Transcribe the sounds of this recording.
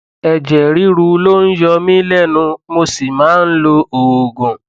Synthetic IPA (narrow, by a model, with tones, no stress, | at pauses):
ɛ˧d͡ʒɛ˨ɾi˦ɾu˧lo˦n̩˦jɔ˧mĩ˦lɛ˦˨nũ˧mo˧si˨mãː˨˦n̩˦lo˧o˨ɡõ˨